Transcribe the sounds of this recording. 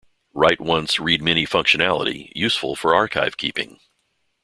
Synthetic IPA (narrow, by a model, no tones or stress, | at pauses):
ɹaɪt̚wʌ̃nsɹid̚mɛñifʌ̃ŋkʃɨnælˠə̰ɾḭjʉsfl̩ˠfə˞ɑɹkʰaɪv̥kʰipɪ̰̃ŋ